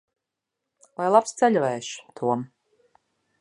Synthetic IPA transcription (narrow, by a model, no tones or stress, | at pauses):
lajlˠapst̪sɛʎʲvɛːʃu̥t̪ʰuɔm